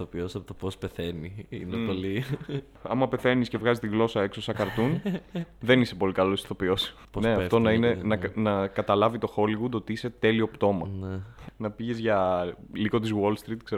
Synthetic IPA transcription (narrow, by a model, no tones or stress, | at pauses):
opiosiɐpot̪opospeθeniḭnepoli | ɐ̰mɐpe̞θe̞nisce̞vɣɐzist̪iɣlo̞sɐe̞ksosɐkɐɾt̪un | ðe̞nise̞po̞likɐlosθo̞pio̞si̥ | nneɐft̪o̞nɐinenɐnɐkɐt̪ɐlɐvit̪o̞xo̞liɣud̪o̞t̪iise̞t̪e̞liopt̪o̞mɐnnɐpiʝe̞zʝɐliko̞t̪̬izwolst̪ɾit̪kseɾ